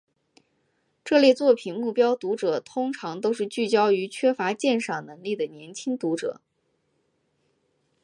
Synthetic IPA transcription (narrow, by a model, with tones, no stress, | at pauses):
ʈ͡ʂɤ˥˧ljɛ˥˧t͡swɔ˥˩pʰi˨˩nmu˥˩pjɑ˥ʊt̪u˧˥ʈ͡ʂɤ˨˩t̪ʰʊ˥ŋʈ͡ʂʰɑ˧˥ŋt̪o˥ʊʂ̬ɻ̩˥˧t͡ɕy˥˩t͡ɕjɑ˥ʊy˧˥t͡ɕʰɥɛ˥fa˧˥t͡ɕjɛ˥˧nʂɑ˥˩nɤ˧˥ŋli˥˩d̪ə˩njɛ˧˥nt͡ɕʰi˥ŋt̪u˧˥ʈ͡ʂɤ̰˨˩˦